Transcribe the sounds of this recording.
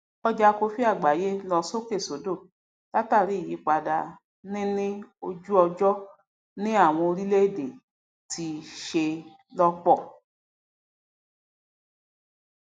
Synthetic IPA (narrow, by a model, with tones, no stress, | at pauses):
ɔ˦d͡ʒa˧ko˧fi˦a˦˨ɡ͡ba˨˦je˦lɔ˧so˦ke˦˨so˨˦do˦˨ | ta˦ta˦˨ɾi˨˦i˦˨ji˨˦k͡pa˧da˧ | nĩ˦nĩ˦o˧d͡ʒu˦ɔ˧d͡ʒɔ˦ | nĩ˦a˦˨w̃ɔ̃˧o˧ɾi˦le˦e˦˨de˨ | tʰi˧ʃe˧ | lɔ˦k͡pɔ˦˨